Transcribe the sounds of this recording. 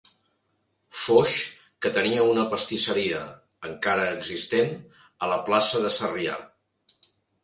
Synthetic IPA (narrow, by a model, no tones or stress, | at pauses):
foʃ | kət̪əniəunəpəst̪isəɾiə̰ | əŋkaɾəːɡzist̪en | ələplasəðəsəria̰